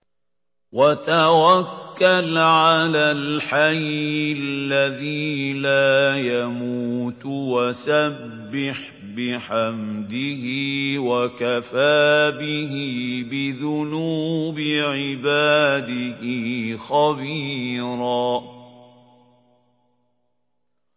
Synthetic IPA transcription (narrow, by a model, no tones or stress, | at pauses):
wat̪awakːalʕalaːlħajɪllːaðiːlaːjamuːt̪wasabːɪħ | bɪħamd̪ɪhiːwakafaːbɪɦiːbɪðʊnuːbɪʕɪbaːd̪ɪhɪːxabiːɾaː